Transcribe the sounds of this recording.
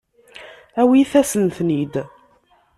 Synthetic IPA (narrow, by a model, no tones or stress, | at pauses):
æwiθæsənθnid̪